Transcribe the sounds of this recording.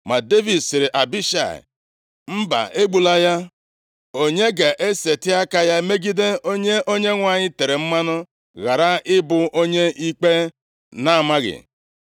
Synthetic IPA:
ma˨de˦vi˨dsɪ˨ɾɪ˨ʔa˨bi˦ʃa̰˨ɪ̰˨ | m̩˦ba̰˨ʔe˦ɡ͡bu˨la˦ja˦ | o˦ɲe˦ɡa˨ʔe˦se˨tɪ˦a˦ka˨ja˦me˦ɡi˦de˦o˦ɲe˦ʔo˦ɲe˦ŋʷa˨ɲɪ˦te˨ɾe˨m̩˦ma˦nʊ˦ | ɣa˨ɾa˦ɪ˦bʊ˨ʔo˦ɲe˦i˦k͡pe˦ | na˦a˨ma˦ɣɪ̰˨

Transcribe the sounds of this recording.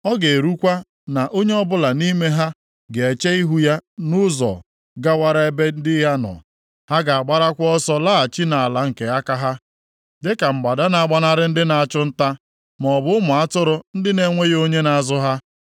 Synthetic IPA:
ɔ˦ɡe˨e˨ɾu˦kʷa˦ | na˨ʔo˦ɲe˦ɔ˦bʊ˦la˨ni˦me˦ɦa˦ | ɡe˨e˨t͡ʃe˦i˦ɦu˦ja˦nʊ˦zɔ̰˨ | ɡa˦wa˦ɾa˦e˦be˦n̩˦dɪ˦ja˦nɔ̰˨ | ha˦ɡa˨a˨ɡ͡ba˦ɾa˦kʷɔ˦sɔ˦la˦a˨t͡ʃi˦na˨a˨la˨ŋ̩˨ke˨a˦ka˦ɦa˦ | dɪ˦ka˨m̩˨ɡ͡ba˨da˦na˨a˦ɡ͡ba˦na˦ɾɪ˦n̩˦dɪ˦na˨a˨t͡ʃʊ˦n̩˦ta˦ | mɔ˨bʊ˦ʊ˦mʊ˨a˦tʊ˦ɾʊ˨n̩˦dɪ˦ne˨ŋʷe˦jo˦ɲe˦na˨a˨zʊ˦ɦa˦

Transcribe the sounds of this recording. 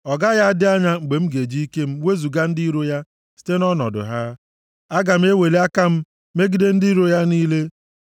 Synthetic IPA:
ɔ˨ɡa˦ɣa˦a˦dɪ˦a˦ɲa˦ŋ͡m̩˨ɡ͡be˨m̩˦ɡe˨d͡ʒi˦i˦ke˦m̩˦we˦zu˨ɡa˦n̩˦di˦i˦ɾo˦ja˦ | si̥˦te˦nɔ˦nɔ̰˨dʊ̰˨ɦa˦ | a˦ɡa˨m̩˦e˦we˨le˦a˦ka˦m̩˦ | me˦ɡi˦de˦n̩˦di˦ɾo˦ja˦niː˦le˦

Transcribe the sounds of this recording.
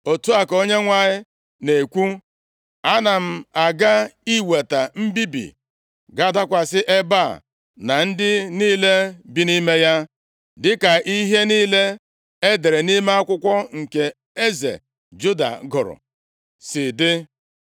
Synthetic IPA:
o˨tu˦a˨ko˦ɲe˦ŋʷa˨ɲɪ˦ | ne˨kʷu˦ | a˦na˨m̩˦a˨ɡa˦i˦we˨ta˨m̩˦bi˦bḭ˨ | ɡa˦da˦kʷa˨sɪ˦ʔe˦ba̰˦˨ | na˨n̩˦dɪ˦niː˦le˦bi˦ni˦me˦ja˦ | dɪ˦ka˨ʔi˦ɦe˦niː˦le˦ | e˦de˨ɾe˨ni˦me˦a˦kʷʊ˦kʷɔ˦ŋ̩˨ke˨ | e˦zḛ˨ | d͡ʒu˦da̰˨ɡʊ˨ɾʊ̰˨ | sɪ˨dɪ˦

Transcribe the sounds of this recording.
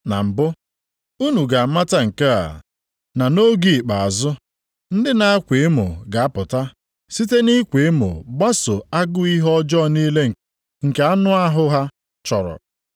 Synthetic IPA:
na̰˨m̩˨bʊ˦ | u˦nu˨ɡa˨˦ma˦ta˦ŋ̩˨ke˦a̰˨ | na˨no˦ɡi˦˨k͡pa˨a˨zʊ˦ | n̩˦dɪ˦na˦a˦kʷe˨e˦mo̰˨ɡa˨a˦pʊ˨ta˦ | si˦te˦ni˦kʷe˨e˦mo̰˨ɡ͡ba˦so˨a˦ɡʊ˦i˦ɦɔ˦d͡ʒɔ˦ni˦le˦ŋ̩˨ | ŋ̩˨ke˨a˦nʊ˦a˦ɦʊ˦ɦa˦ | t͡ʃɔ˨ɾɔ̰˨

